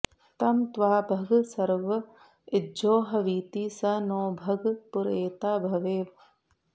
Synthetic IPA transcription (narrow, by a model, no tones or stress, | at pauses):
t̪ɐmt̪ʋaːbʱɐɡsɐɾʋɐ | ɪd͡ʒoːɦɐʋiːt̪iːsɐnoːbʱɐɡpʊɾeːt̪aːbʱɐʋeːʋ